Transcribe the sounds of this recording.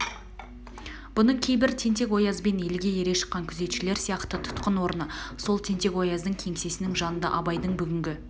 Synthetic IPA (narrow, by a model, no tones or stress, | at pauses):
b̥ʊnəɴkʲʰe̞jbɪɾt̪ʰe̞nt̪e̞kwo̞jɑzbe̞ne̞lɡʲe̞je̞ɾeʃə̥qːɑŋkʲʰʏze̞t̪ʃɪle̞ɾsijɑqt̪ət̪ʰʊ̥t̪qənwo̞ɾənəso̞lˠt̪ʰe̞nt̪e̞kwo̞jɑzd̪əŋkʲʰe̞ŋse̞sɪnɪŋʒɑnənd̪ɑ̰ʔɑbɑjd̪əɴbʏɡʲɪŋɡʲɪ